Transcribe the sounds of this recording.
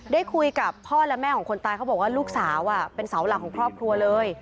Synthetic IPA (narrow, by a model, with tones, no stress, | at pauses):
daː˥˩jkʰu˧jka˨˩pʰːɔː˥˩lɛ˦˥mɛː˥˩kʰɔː˩˦ŋʰko˧nt̪aː˧jkʰa˦˥bɔ˨˩k̚waː˥˩luː˥˩k̚saː˩˦wʔa˨˩pe˧nsa˩˦wla˨˦˩kʰːɔː˨˩˦ŋkʰɾɔː˥˩p̚kʰɾu˧ɐlɤː˧j